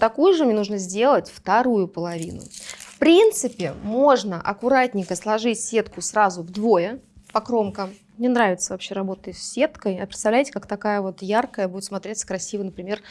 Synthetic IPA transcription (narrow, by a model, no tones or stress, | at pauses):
t̪ɐkujʊʐɨmʲenuʐnəzʲdʲe̞lˠətʲft̪ɐɾujʊpəlˠɐvʲḭnʊ̰fpɾʲint̪sɨpʲɪmo̞ʐnəʔɐkʊɾat̚ʲnʲɪŋkəslˠɐʐɨtʲsʲe̞t̪kʊsrazʊvd̪vo̞jəpɐkɾo̞mkə | nʲɪnɾavʲɪt̪səvɐpɕːe̞ɾɐbo̞t̪əjsːʲe̞t̪kəjɐpɾʲɪt̪st̪ɐvlʲæjtʲɪ̥kakt̪ɐkajəvo̞t̪jarkəjəbudʲɪt̪smɐt̪ɾʲet̪sə̥kɾɐsʲivəjnəpɾʲɪmʲe̞r